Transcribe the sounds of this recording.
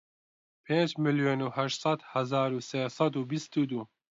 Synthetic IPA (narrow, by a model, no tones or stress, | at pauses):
pʰeːnd͡ʒmɨljoːnuːhɛʃt̪sˤɑd̪hɐzaːɾuːseːsˤɑd̪uːbist̪uːd̪uː